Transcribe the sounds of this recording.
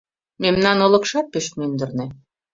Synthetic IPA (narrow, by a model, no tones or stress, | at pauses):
memnɑnŏlɤ̆kʃɑt̪̚peʃmynd̪ə̆rnĕ